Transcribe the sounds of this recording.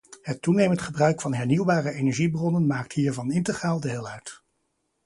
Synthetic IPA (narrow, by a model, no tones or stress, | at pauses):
ɦətːunejməntχəbrœɥkfɑnɦɛɹniwbaːrəejnɛɹʒibrɔnənmaːk̚tɦiːɹvɑnɪntəχraːlˠdəɦɪlˠœɥt